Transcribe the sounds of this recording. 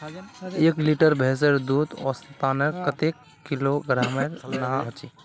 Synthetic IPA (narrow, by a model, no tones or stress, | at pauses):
eːkliʈəɾbʱeːs̬əɾd̪uːd̪ɔ̰sip̪aːnəkət̪ekːiloɡɾaːmeɾnaɦt͡ʃi